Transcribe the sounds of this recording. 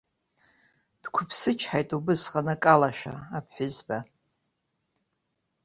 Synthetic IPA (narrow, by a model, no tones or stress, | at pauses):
d̥kʷʰʊpʰsɨt͡ʃʰħajtʼubɨsqʼanɨkʼalaʃᶣa̰apʰħʷᶣʊzba